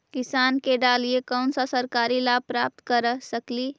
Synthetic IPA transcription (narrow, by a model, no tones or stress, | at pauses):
kɪsaːnkeɖaːliekɔʊnsasɐɾkaːɾilaːpɾaːp̚t̪kəɾsəkliː